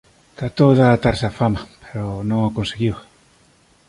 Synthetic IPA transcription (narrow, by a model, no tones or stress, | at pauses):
t̪ɾat̪owðaːt̪aɾsafamapeɾonõŋakõnseɣiw